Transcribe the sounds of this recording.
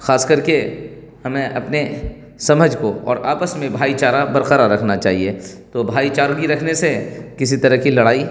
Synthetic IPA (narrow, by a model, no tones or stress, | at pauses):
xaːskɐɾke | hɐmẽʔɐpne | sɐməd͡ʒʱkoɔ̰ːɾaːpəsmẽbʱaːit͡ʃaːɾabɐɾqəɾaɾɐkʰnat͡ʃa̰ːɦie | t̪obʱaːit͡ʃaːɾɡiɾɐkʰnesekɪsit̪ɐɾəɦkilɐɽaːi